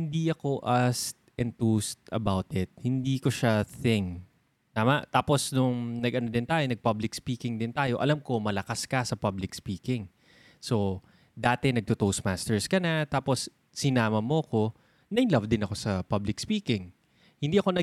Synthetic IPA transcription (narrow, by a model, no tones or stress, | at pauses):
hɪnd̪iɐko̞ʔɐst̪ʔɛnt̪ust̪ʔɐbawt̪ɪt̪̚hɪnd̪iːko̞ʃaθɪŋ | t̪aːmɐʔt̪aːpo̞snʊŋnɐɡʔɐno̞d̪ɪnt̪aːjo̞nɐɡ̚pablɪk̚spiːkɪŋd̪ɪnt̪aːjo̞ʔɐlamko̞mɐlɐkaskɐsɐpɐblɪkspiːkɪŋ | so̞ | d̪aːt̪ɛnɐɡ̚t̪ot̪owsmaːst̪ɛɹskɐnat̪aːpo̞sː | ɪnaːmɐmoɐko̞ | nɐʔɪnlɐvd̪ɪnɐko̞sɐpɐblɪkspiːkɪŋ | hɪnd̪iːʔɐko̞nɐ